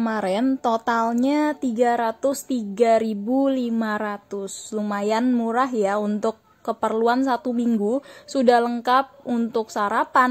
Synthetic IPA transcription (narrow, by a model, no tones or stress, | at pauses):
kəmaɾɛnt̪ot̪alɲat̪iɡaɾat̪ʊst̪iɡaɾibulimaɾat̪ʊslumajanmuɾaɦjaunt̪ʊkːəpərluansat̪umiŋɡusudahləŋkap̚unt̪ʊk̚saɾapan